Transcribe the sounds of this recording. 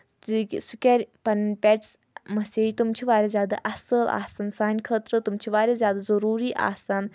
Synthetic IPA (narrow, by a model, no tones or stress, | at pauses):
isukʲɐɾʲpɐnpʲɛʈs | mɐsiːd͡ʒt̪umt͡ʃʰiʋaːɾʲazjaːd̪a̰ʔɐsəlʔa̰ːsɐnsaːnʲkʰət̪ɾət̪umt͡ʃʰiʋaːɾʲazʲjaːd̪azɐɾuːɾiʔa̰ːsan